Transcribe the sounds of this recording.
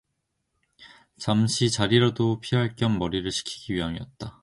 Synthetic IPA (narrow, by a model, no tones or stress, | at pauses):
t͡ɕamɕʰit͡ɕaɾiɾadopʰiɦaɭk͈jʌnmʌɾiɾɯɭɕʰi̥kʰi̥ɡ̥iɥiɦaŋiʌt̚t͈a